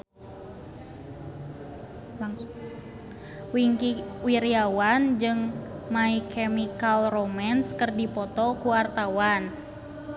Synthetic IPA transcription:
wiŋkiwiɾiawand͡ʒɨŋmaikʰɛmikalromanskərdipɔt̪ɔkuwart̪awan

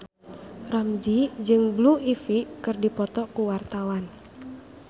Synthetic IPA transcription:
ramd͡ʒid͡ʒɨŋbluifikɨrdipɔt̪ɔkuwart̪awan

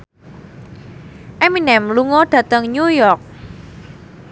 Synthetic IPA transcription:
ʔɛminɛmluŋɔɖ̥ä̤t̪əŋɲujɔrk̚

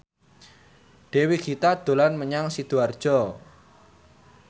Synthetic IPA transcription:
ɖ̪̥e̤wikʰit̪ad̪̥o̤lanməɲaŋsid̪̥uard̥ʒ̥ɔ

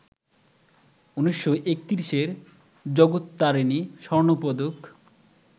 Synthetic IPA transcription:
uniʃːoʔek̚t̪iɾiʃeɾ | d͡ʑɔɡot̪ːaɾiniʃɔɾnopɔd̪ok

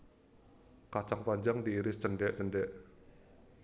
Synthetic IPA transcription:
kat͡ʃaŋpaɲd͡ʒaŋdiːɾɪst͡ʃəndɛʔt͡ʃəndɛʔ

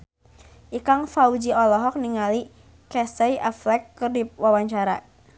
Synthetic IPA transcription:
ʔikaŋfaud͡ʒiɔlɔɦɔk̚niŋali | kɛsɛiʔaflɛkːərdip̚wawaɲt͡ʃaɾa̰

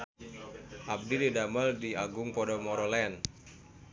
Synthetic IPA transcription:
ʔab̚dididaməldiaɡʊŋpɔdɔmɔɾɔlɛn

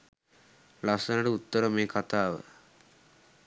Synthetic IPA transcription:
lasənəʈəut̪ːəɾəmeːkʰat̪aːʋə̰

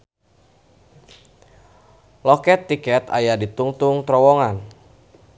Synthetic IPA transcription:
lɔkɛt̪ːikɛt̪a̰jadit̪uŋt̪ʊŋt̪ɾɔwɔŋan

